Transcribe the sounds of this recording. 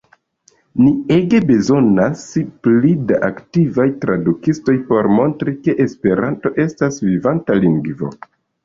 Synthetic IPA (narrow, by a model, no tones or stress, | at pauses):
nie̞ɡe̞be̞zo̞nasplidaʔaktivajtɾadukisto̞jpo̞ɾmo̞ntɾike̞ʔespe̞ɾanto̞ʔe̞stasvivantaliŋɡvo̞̰